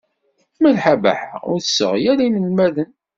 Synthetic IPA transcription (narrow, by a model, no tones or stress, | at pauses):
mælħabæ̰ħa̰ʁʊɾθəsə̰ʁjæɾinəlmæðən